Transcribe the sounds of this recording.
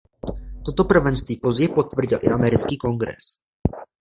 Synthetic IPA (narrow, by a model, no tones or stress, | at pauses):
t̪o̞t̪o̞pr̩vɛnst̪viːpo̞zɟɛjpo̞t̪vr̩ɟɪlʔɪ̰ʔamɛɾɪt͡skiːko̞ŋɡɾɛ̰s